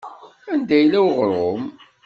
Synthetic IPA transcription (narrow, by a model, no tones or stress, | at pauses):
ænd̪æjlæwʁɾˤom